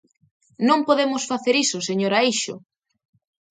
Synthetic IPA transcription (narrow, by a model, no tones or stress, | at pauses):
nõŋpoðemʊsfaθeɾisʊseɲoɾaejʃʊ̰